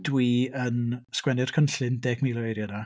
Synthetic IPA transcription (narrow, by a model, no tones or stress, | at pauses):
dwiːənskwɛnɪr̥kʰənɬɪndeːɡmiːlˠɔejɾjəna